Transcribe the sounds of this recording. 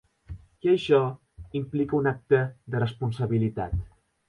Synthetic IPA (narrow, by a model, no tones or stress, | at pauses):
iəʃɔ | implikəunak̚t̪əðərəspunsəβilit̪a̰t̪